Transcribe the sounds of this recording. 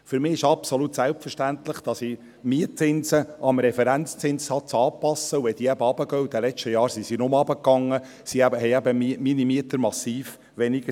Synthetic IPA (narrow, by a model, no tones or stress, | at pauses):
fʏɾmɪːɪʃɑpsolut̪sælp̚fəɾʃtænt̪lɪχd̥ɑsi | miət͡sɪnsəʔɑmɾɛfɛɾænt͡st͡sɪnshɑt͡sɑːpɑsːəuɛt̪iːæbəɑb̥əɡœud̥̪ɛlɛt͡ʃtəjɑːɾsisinʊməɑbəkːɑŋːə | siæbəhɛjæbəmiminimiətəɾmɑsiːf | ʋɛnɪɡə